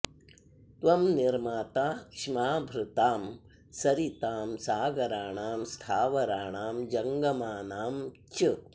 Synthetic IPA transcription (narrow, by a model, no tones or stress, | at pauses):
t̪ʋɐmniɾmaːt̪aːkʂimaːbʱɾɪt̪aːm | sɐɾit̪aːmsaːɡɐɾaːɳaːmst̪ʰaːʋɐɾaːɳaːmd͡ʒɐŋɡɐmaːnaːmt͡ʃɨ